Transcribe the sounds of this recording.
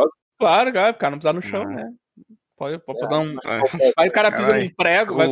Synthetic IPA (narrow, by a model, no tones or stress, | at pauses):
pɔd̪ | klaɾʊklaɾkaɾɐnɐ̃p̬ezaɾnʊʃɐ̃w̃nɛ | pɔd̪ɪpɔd̪pezaɾũvaiʊkaɾɐpizɐũpɾɛɡʊvaj